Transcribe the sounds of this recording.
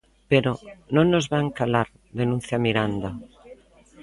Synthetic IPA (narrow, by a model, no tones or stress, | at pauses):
peɾonõnozβaŋkalaɾ | ðenũn̟θjamiɾand̪a